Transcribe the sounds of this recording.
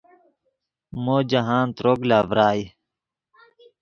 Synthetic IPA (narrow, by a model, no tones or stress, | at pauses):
moːd͡ʑɐɦaːnt̪ɾoɡlaːvɾaːj